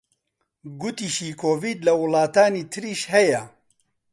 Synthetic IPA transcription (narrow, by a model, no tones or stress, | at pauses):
ɡʊt̪iːʃiːkʰoːviːd̪lɐwʊlɑːt̪aːniːt̪ʰɨɾiːʃhɛjɛ